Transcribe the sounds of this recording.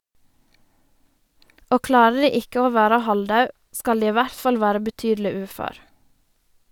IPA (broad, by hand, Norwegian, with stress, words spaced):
ˈoː ˈklɑːɾə ˈdiː ˈɪkə ˈoː ˈʋæːɾə ˈhɑlˌdɑʉ ˈskɑl ˈdiː ˈiː ˈʋæɾt ˈfɑl ˈʋæːɾə bəˈtyːdl̩ɪ ˈʉːføːɾ